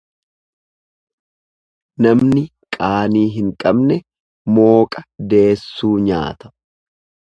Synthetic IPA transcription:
nɐmnɪ | kʼaːniːɦɪŋkʼɐbnɛ | mo̞ːkʼɐd̪e̞ːsːuːɲa̰ːt̪ɐ̥

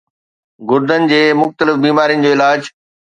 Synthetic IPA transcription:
ɡʊɾd̪ənɪ̆d͡ʑeːmʊxt̪əlɪfbiːmaːɾijə̃nɪ̆d͡ʑoːɪlaːd͡ʑ

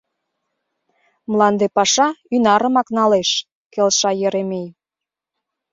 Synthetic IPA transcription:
mlˠɑnd̪epɑʃɑynɑɾə̆mɑknɑleʃ | kelʃɑjeɾemej

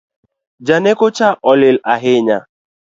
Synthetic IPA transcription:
d͡ʒanekʊt͡ʃaʔɔlɪlaɦɪɲa

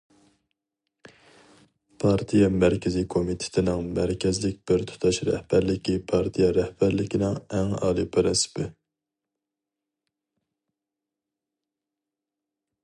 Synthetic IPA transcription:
pʰɑɾt̪ʰijɛmæɾkʲʰɪzɪkʰomit̪ʰɪ̥t̪ʰɪnɪŋmæɾkʲʰɛzlɪk̚ʲb̥ɪɾt̪ʰu̥t̪ʰɑʃɾɛ̰hb̥æɾlɪkʲipʰɑɾt̪ʰijɛɾɛhb̥æɾlɪkʲinɪŋɛŋɑ̰ːlˠipʰɨɾɪsɪ̥pʰɪ

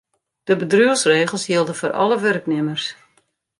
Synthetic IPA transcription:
d̥əbədryəlˠsreːɣəlˠsjilˠdəforʔɑ̰ləʋørknɪmərs

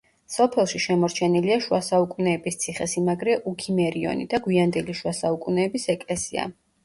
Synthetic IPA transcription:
sɔpʰɛlˠʃiʃɛmɔɾt͡ʃʰɛniliaʃuasaukʼunɛːbist̪sʰiχɛsimaɡɾɛʔukʰimɛɾiɔ̰nḭd̪aɡwiand̪ɛliʃwasaukʼunɛːbisɛkʼlɛsia̰

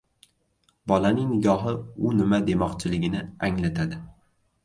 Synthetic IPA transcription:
bɒlanɪŋnɪɡɒɦɪʊnɪmad̪emɒqt͡ʃʰɪlɪɡʲɪnɪaŋlat̪ʰad̪ɪ

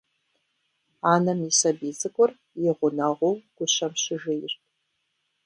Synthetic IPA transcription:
aːnɐmisɐbiːzɨkʷʼʊr | jɪʁʷʊnɐʁʷowɡ̥ʷʊʃɐmʃɪʒɪjɪrt̚ʰʼ

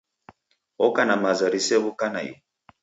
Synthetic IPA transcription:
ɔkanamazaɾisɛβukanajḭ

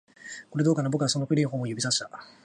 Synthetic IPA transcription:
ko̞ɾe̞d̪o̞ːkanabo̞kɯ̟ɡaso̞no̞kɯ̟ɾʲĩːɦoːmojɯ̟bʲisaɕi̥t̪a

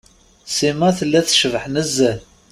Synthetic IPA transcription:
simæθəlːæθʃəvħnəzːæ

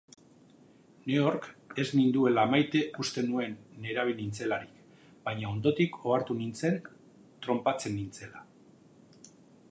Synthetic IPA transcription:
ne̞oɾke̞znind̪ue̞laːmajt̪e̞ʔust̪e̞nue̞nːe̞ɾaβ̞inint͡se̞laɾik | bajɲao̞nd̪o̞t̪iko̞aɾt̪unint͡se̞n | t̪ɾo̞mpat͡se̞nːint͡se̞la

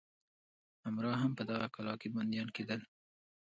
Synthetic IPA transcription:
hamɾɑɦampəd̪aɣakalɑkiband̪jɑnked̪əl

